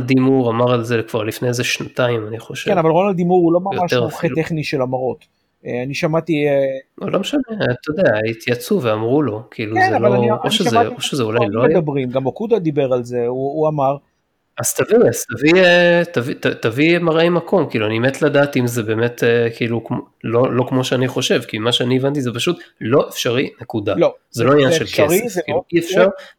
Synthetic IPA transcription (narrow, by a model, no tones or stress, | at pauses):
ld̪imuʁamaʁalzekv̥aʁlifnejzeʃnat̪aimaniχoʃekenavalʁonald̪imuʁulo̞mamaʃtʁuχet̪eχniʃelamaʁo̞t̪ | eaniʃamat̪ieulʔomeʃanet̪od̪eait̪ʰjat͡suveamʁulo̞kʰiilueznealaoaiʔoʃʃeazaoʃezeulajloeajdabʁimɡamokud̪ad̪ibe̞ʁalze̞uːamaʁ | az̥t̪aviaz̥t̪aviet̪avit̪at̪avimaʁemakʰo̞mkiːluaniemet̪ladaːt̪imzebeːme̞t̪ekiiːluklolo̞kmo̞ʃeaniχo̞ʃe̞vkimaʃeanievant̪izepaʃut̪lo̞efʃaʁinekud̪az̥elo̞aiɲanʃelkʰesefkiːuiefʃaʁ